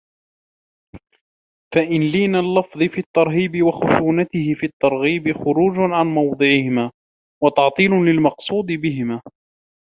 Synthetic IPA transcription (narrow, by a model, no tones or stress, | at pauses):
faʔɪnliːnalːɑfðˤɨfiːt̪ːɑɾˤɦiːbɪwaxʊʃuːnat̪ɪhɪfiːt̪ːɑɾˤɣiːbɪxʊɾuːd͡ʒʕanmɑwd̪ˤɨʕɪhɪmaː | wɑt̪ɑʕt̪ˤiːlʊlɪlmɑqsˤuːd̪ɨbɪɦɪmaː